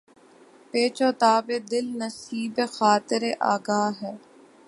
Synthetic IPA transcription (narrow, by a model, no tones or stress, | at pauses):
peːt͡ʃoːt̪aːbed̪ɪlnɐsiːbexaːt̪ɪɾeʔa̰ːɡaːɦɛː